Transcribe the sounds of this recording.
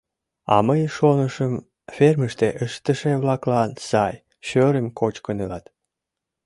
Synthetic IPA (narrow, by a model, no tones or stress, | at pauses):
ɑ̰məjʃonəʃəm | ferməʃt̪eʔəʃt̪əʃeβlɑklɑnsɑj | ɕøɾəmkʰot͡ɕkənelɑt̪